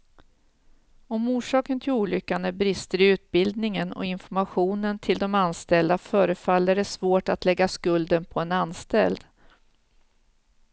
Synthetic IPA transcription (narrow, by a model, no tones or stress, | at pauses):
ɔmuːʂɑːkənt̪ʰɪluːlʏkːanəbɾɪst̪əɾʉ̟ːt̪̚bɪld̪̚nɪŋənɔ̰ɪnfɔɾmaɧuːnənt̪ʰɪld̪ɔmanst̪ɛld̪afœːɾəfalːæɖɛsvoːʈat̪lɛɡːaskɵld̪ənpʰɔɛnanst̪ɛld̪